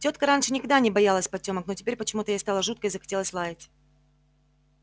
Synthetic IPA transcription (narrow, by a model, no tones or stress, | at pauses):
tʲo̞t̪kəɾanʲʂɨnʲɪkɐɡ̚d̪anʲɪbɐjalˠəsʲpɐtʲo̞məknotʲɪpʲeɾʲpət͡ɕɪmut̪əjast̪alˠəʐut̪̚kəɪzəxɐ̥tʲe̞lˠəsʲlˠajʲɪtʲ